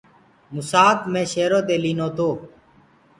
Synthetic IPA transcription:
mʊsaːkmẽːʃeːɾoːt̪eːliːnoːt̪oː

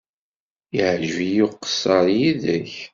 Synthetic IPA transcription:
jəʕʒvijuqːsəɾˤjiðæç

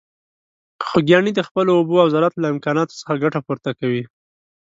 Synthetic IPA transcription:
xoɡjɑɳid̪əxpəloːboawzalat̪laɪmkɑnɑt̪o̥sə̥xaɡaʈapoɾt̪akawi

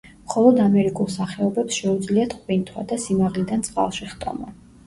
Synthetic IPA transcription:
mχɔlˠɔd̪amɛɾikʼulˠsaχɛɔbɛpsʃɛud̪zliat̪ʰχqʼwint̪ʰwa̰d̪asimaʁlid̪ant̪sʼqʼa̰lˠʃiχt̪ʼɔ̰mɔ

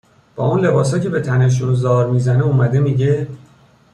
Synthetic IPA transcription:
b̥ɒːuːnle̞bɒːs̬ɒːcʰe̞be̞t̪ʰæneʃ̬unozɒːɾmiːzæneumæd̪e̞miːɟe̞

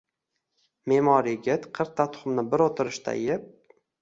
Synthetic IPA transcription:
memɒɾjɡʲɪt̪qʰɨɾq̚t̪ʰːat̪ʰʊ̥χʊmnɪbɪɾot̪ʰɪɾɪʃt̪ʰa̰jɪp̚

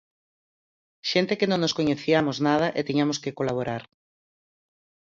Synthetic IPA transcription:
ʃent̪ekɪnõŋnoskoɲeθiamoznað̞ɐʔet̪iɲamoskekolaβ̞oɾaɾ

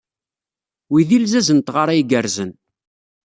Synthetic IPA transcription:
wiðilzæzənt̪ʁaɾˤajiɡəɾzən

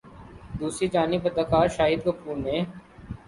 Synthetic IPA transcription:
d̪uːsɾid͡ʒaːnibəd̪əkaːɾʃaːɦiːd̪̚kəpʰuːɾnẽː

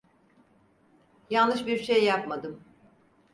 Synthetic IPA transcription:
jalˠnɯʃbiɾʃejːapmad̪ɯm

